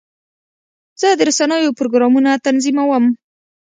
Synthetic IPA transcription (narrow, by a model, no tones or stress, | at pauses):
z̥əd̪əɾasanəjopɾoɡɾɑmunat̪anzimawəm